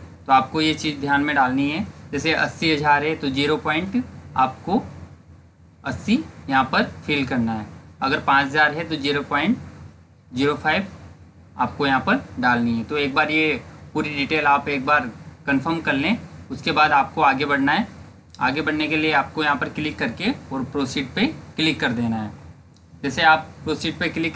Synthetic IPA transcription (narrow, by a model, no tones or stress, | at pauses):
t̪oaːp̚kojet͡ʃiːzd̪ʱjaːnmẽɖaːlniɦɛd͡ʒɛːseʔɐ̰sːiɦɐd͡ʒʱaːɾɦɛt̪od͡ʒiːɾopɔːɪ̃ɳʈaːp̚ko | ɐsːijɐɦãpɐɾfʰiːlkɐɾnaɦɛːɐɡəɾpãːt͡ʃɦɐzaːɾɦɛt̪od͡ʒiːɾopaːɪ̃ɳʈ | d͡ʒiːɾopʰaːɪb | a̰ːp̚kojɐɦãpɐɾɖaːlnĩɦɛ̃t̪oeːk̚baːɾjepuːɾiɖiːʈeːlaːpeːk̚baːɾkɐnfəɾmkɐɾlẽʊskebaːd̪aːp̚koaːɡebɐɽ̤naɦɛː | a̰ːɡebɐɽ̤nekelieaːp̚kojɐɦãpɐɾklɪkːɐɾkeɔːɾpɾoːsiːʈ̚peklɪkːɐɾd̪eːnaɦɛː | d͡ʒɛːseaːp̚pɾoːsiːʈ̚pekɪlɪkː